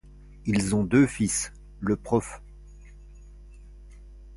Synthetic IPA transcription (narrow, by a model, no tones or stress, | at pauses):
ilzɔ̃d̪øfis | ləpχɔf